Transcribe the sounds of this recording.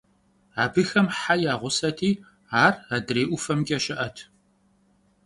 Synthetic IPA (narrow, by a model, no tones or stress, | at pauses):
aːbɨxɐmħajaːʁʷʊsɐtʰiː | aːradreːʔʷʊfɐmɡʲʼɐʃɪʔɐtʰ